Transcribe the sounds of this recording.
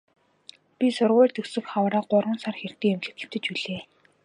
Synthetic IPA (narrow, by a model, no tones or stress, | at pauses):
pʲisʊrʁʊːɮt̪ɵksɵ̆kχawɾaːɢʊrwə̆nsarxer̥t̪iːŋɵmɮɘ̆t̪ɘ̆wt̪ɘ̆t͡ɕuɮeː